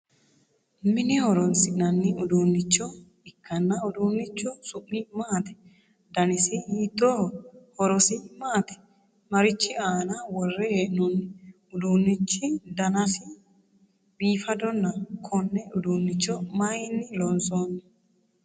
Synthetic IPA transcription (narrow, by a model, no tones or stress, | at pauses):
mɪnɪhɔɾɔnsɪnɐnːɪʊd̪uːnːɪt͡ʃːɔ | ɪkːɐnːɐʊd̪uːnːɪt͡ʃːɔsʊʔːɪmaːt̪ɛ̥ | d̪ɐnɪsɪhiːt̪ːohɔɾɔsɪmaːt̪ɛ̥ | mɐɾɪt͡ʃːɪaːnɐwɔrːɛeʔnɔnːɪ | ʊd̪uːnːɪt͡ʃːɪd̪ɐnɐsɪ | biːfɐd̪ɔnːɐkʰɔnːɛʊd̪uːnːɪt͡ʃːɔmɐjɪnːɪlɔnsoːnːɛ